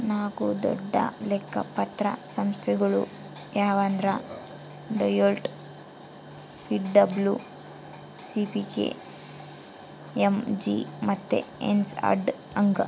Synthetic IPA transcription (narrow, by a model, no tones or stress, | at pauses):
naːkud̪ɔ̰ɖːɐ̰lɛkːɐpɐt̪ɾɐ̰sɐmst̪ʰɛɡɐɭṵ | jaːʋaːnd̪ɾɐ | ɖojolʈ | pʰiʈɖɐblju | sipikḛː | emd͡ʒḭmɐt̪ːḛḛnsɐ̰ɾɖ | ɐŋɡɐ